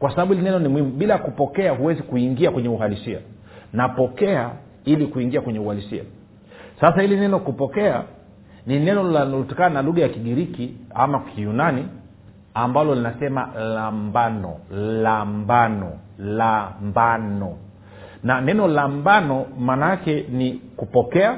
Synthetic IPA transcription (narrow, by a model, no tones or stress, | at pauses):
kwasaɓaɓuhilinɛnɔnimwhimuɓilakupɔkɛaɦuwɛzikuiŋɡiakwɛɲɛuɦalisia̰ | napɔkɛa | ilikuiŋɡiakwɛɲɛuhalisia̰ | sasahilinɛnɔkupɔkɛa | ninɛnɔlaltakananaluɠajakiɠiɾikia̰makʰijunani | ambalɔlinasɛma̰lambanɔ̰lambanɔlambanɔ | nanɛnɔlambanɔmanakɛnikupɔkɛa